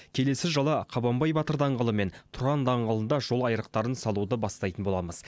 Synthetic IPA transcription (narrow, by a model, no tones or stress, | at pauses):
kʲʰe̞le̞sɪʒɑlˠɑqʰɑbɑmbɑjbɑt̪əɾd̪ɑɴʁəlˠəme̞nt̪ʰʊɾɑnd̪ɑɴʁəlˠənd̪ɑʒo̞lˠɑjɾəq̚t̪ɑɾənsɑlˠud̪əbɑst̪ɑjt̪ənbo̞lˠɑməz̥